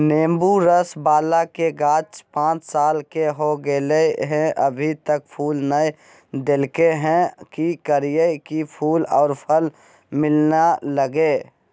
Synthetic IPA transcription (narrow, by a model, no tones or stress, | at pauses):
neːmbuɾəsbaːlakeɡaːt͡ʃpãːt͡ʃsaːlkeɦoɡeleɦɛ̃ʔəbʱit̪ək̚pʰuːlnəj | d̪elkeɦɛ̃kikəɾijəkipʰuːlɔːɾpʰəl | mɪlnaləɡe